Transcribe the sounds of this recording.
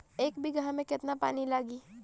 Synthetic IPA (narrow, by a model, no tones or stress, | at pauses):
eːkbʱiɡãɦmẽkɪt̪napa̰ːnilaːɡiː